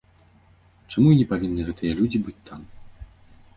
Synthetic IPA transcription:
t͡ʂamuinʲɛpavʲinːɨɣɛt̪ɨjɐlʲud͡zʲibɨt͡sʲt̪ʰam

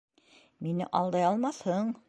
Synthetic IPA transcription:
minɘ̰ʔɑlˠd̪ɑjɑlˠmɑθhɤɴ

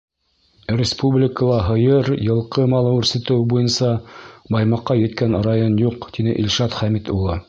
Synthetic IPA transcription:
rʲɪspublʲɪkəlˠɑɦɤ̆jɤɾjɤ̆lˠqɤmɑlˠɤʉɾsɘ̆t̪ɘwbujɤnsɑbɑjmɑqːɑjɘ̆t̪kænrajonjuqt̪inɘʔilʲʃɑt̪χæmit̪ulˠɤ

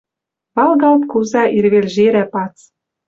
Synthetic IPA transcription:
βɑlˠɣɑlt̪kuzɑʔirβelʒeɾæpɑt͡s

